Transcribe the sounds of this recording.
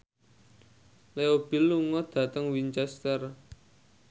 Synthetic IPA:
leob̥i̤lːuŋɔd̪̥ä̤t̪əŋwint͡ʃɛst̪ər

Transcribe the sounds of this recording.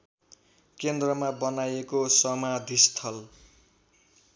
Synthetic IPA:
kend̪rʌmabʌnajekosʌmad̪ʱist̪ʰʌl

